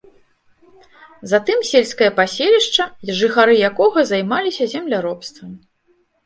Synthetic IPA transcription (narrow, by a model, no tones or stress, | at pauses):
zat̪ɨmsʲelʲsʲkɐjɐpasʲelʲiʂt͡ʂɐʐɨxaɾɨjakɔɣɐzajmalʲisʲɐzʲɛmlʲaɾɔpst̪vɐm